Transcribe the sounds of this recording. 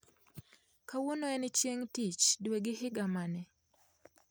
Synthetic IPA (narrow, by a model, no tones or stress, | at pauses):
kawonoɛnɪt͡ʃjeŋtit͡ʃdweɡɪhɪɡamanɛ